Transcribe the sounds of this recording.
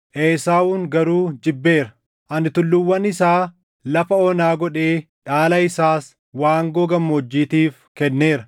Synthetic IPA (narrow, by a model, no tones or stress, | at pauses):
ʔeːsaːuːŋɡɐɾuːd͡ʒɪbːe̞ːɾɐ | ʔɐnɪt̪ʊlːʊwːɐnɪsaː | lɐfɐɔnaːɡɔᶑe̞ː | ᶑaːlɐɪsaːs | waːŋɡoːɡɐmːɔːd͡ʒːiːt̪iːfkɛnːe̞ːɾɐ